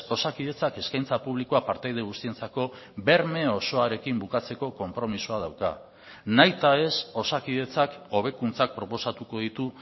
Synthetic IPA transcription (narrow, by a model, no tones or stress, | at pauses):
o̞sakiðe̞t͡sake̞skajnt͡sapuβ̞likoapaɾt̪ajðeɣust̪ie̞nt͡sako̞be̞ɾme̞o̞so̞aɾe̞kimbukat͡se̞ko̞ko̞mpɾo̞misuað̞awka̰ | najt̪ae̞so̞sakiðe̞t͡sako̞β̞e̞kunt͡sak̚pɾo̞po̞sat̪uko̞ð̞it̪u